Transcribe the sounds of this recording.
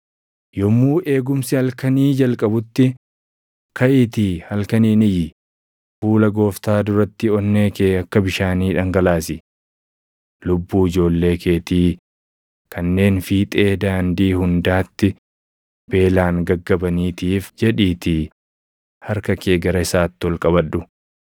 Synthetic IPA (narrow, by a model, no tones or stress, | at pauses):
jɔmːuːʔe̞ːɡʊmsɪhɐlkɐniːd͡ʒɐlkʼɐbʊt̪ːɪ | kɐʔɪt̪iːhɐlkɐniːnɪjɪ | fuːlɐɡo̞ːft̪aːd̪ʊɾɐt̪ːɪɔnːe̞ːkeːɐkːɐbɪʃaːniːᶑɐŋɡɐlaːsɪ | lʊbːuːɪd͡ʒo̞ːlːe̞ːkʰe̞ːt̪iː | kʰɐnːe̞ːnfiːt̪ʼe̞ːd̪aːnd̪iːhʊnd̪aːt̪ːɪ | b̥e̞ːlaːŋɡɐɡːɐbɐniːt̪iːfd͡ʒɛᶑiːt̪ɪ | hɐɾkɐkeːɡɐɾɐɪsaːt̪ːɪɔlkʼɐβɐᶑːʊ